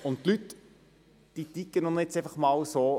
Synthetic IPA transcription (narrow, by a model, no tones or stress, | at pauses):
ʊntt̪lyt | d̥iːt̪ikːənonɛt͡seɪfɐχmɑːwsoː